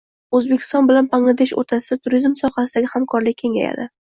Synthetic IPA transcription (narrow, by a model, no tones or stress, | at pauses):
ɵzbekʲʰɪ̥st̪ɒnbɪlanpʰaŋlˠad̪eʃo̰ɾt̪ʰasɪd̪at̪ʰʊɾizmsɒhas̬ɪd̪aɡʲɪhamkʰɒɾlɪkʲʰːe̞ŋʲa̰ja̰d̪ɪ